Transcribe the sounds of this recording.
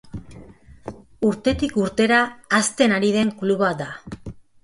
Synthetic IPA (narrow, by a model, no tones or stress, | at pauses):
uɾt̪e̞t̪ikuɾt̪e̞ɾaːst̪e̞naɾið̞e̞ŋkluβad̪a